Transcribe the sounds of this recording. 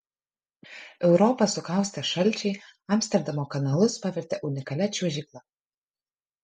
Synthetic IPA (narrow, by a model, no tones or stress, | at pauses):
ɛʊɾɔpɐsʊkɑˑʊsʲt̪ʲɛʃɐlʲˑt͡ʃʲɛɪɐmʲsʲt̪ʲɛɾʲd̪ɐmoːkɐnɐlˠʊspɐʋʲɛɾʲt̪ʲɛʔʊnʲɪkɐlʲɛt͡ʃʲuɔʒʲiklˠɐ